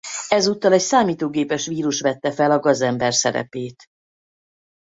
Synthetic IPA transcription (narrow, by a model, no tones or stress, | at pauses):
ɛzuːt̪ːɒlɛcsaːmiːt̪oːɡeːpɛʃʋiːɾuʃʋɛt̪ːɛfɛlɒɡɒzɛmbɛrsɛ̰ɾɛ̰peːt̪